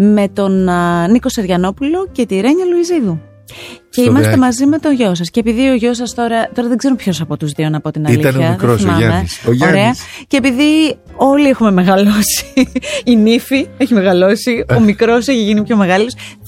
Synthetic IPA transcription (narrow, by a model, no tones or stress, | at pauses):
me̞t̪o̞nniko̞seɾʝɐno̞pulo̞ce̞t̪iɾe̞ɲɐloiziðu | ce̞imɐsst̪emɐzime̞t̪oʝo̞sɐsceːpiðio̞ʝo̞s̬ɐst̪o̞ɾɐt̪o̞ɾɐðeɡze̞ɾumpço̞sɐpo̞t̪uzðio̞nɐpo̞t̪inɐliɐçɐkɾosmɐneoɾeɐce̞ːpiði | o̞lie̞xume̞meɣɐlo̞si̥ː | nifieçimeɣɐlo̞sio̞mikɾo̞seçiʝinipço̞me̞ɣɐlos